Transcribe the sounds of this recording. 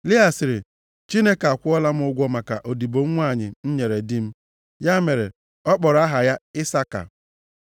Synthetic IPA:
li˦a˨sɪ˨ɾɪ˨ | t͡ʃi˦ne˦ka˨kʷʊ˦ɔ˦la˦m̩˦ʊ˦ɡʷɔ˦ma˨ka˨ʔo˨di˨bo˨ŋ̩˦ŋʷa˦˨ɲɪ˨n̩˦ɲe˨ɾe˨dɪ˦m̩˦ | ja˦me˨ɾḛ˨ | ɔ˦k͡pɔ˨ɾa˦ɦa˨ja˦ɪ˦sa˦ka̰˨

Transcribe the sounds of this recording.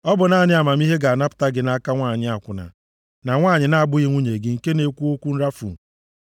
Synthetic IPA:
ɔ˦bʊ˨naː˦˨ɲɪ˦a˨ma˨m˦i˦ɦe˦ɡa˨na˦pʊ̥˨ta˦ɡɪ˦na˦ka˦ŋʷaː˦˨ɲɪ˦a˨kʷʊ˨na̰˨ | na˨ŋʷaː˦˨ɲɪ˨na˨a˨bʊ˦ɣi˦ŋʷu˦ɲe˨ɡɪ˦ŋ̩˨ke˦ne˦kʷu˦o˦kʷu˦n̩˦ɾa˦fṵ˨

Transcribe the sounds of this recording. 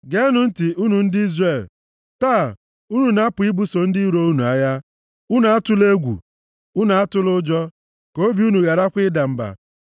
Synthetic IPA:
ɡe˦nʊ˨˦n̩˦tɪ˨u˦nu˨n̩˦dɪ˦i˦zre˨l | taː˦˨ | u˦nu˨na˦pʊ˨i˦bu˦so˨n̩˦dɪ˦i˦ɾo˦u˦nu˨a˨ja˦ | u˦nu˨a˦tʊ˦le˦ɡʷṵ˨ | u˦nu˨a˦tʊ˦lʊ˦d͡ʒɔ˦ | ko˦bi˦u˦nu˨ɣa˨ɾa˦kʷɪ˦da˨m̩˦ba̰˨

